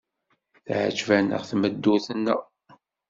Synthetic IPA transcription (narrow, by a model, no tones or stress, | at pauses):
θʕə̰d͡ʒvænə̰ʁθməd̪ːuθənːə